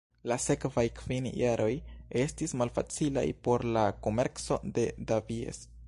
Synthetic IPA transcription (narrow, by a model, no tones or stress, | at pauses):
lase̞kvajkvinjaɾʔo̞je̞stismalfa̰t͡sila̰jpo̞ɾlako̞me̞ɾkt͡so̞̰de̞daviḛs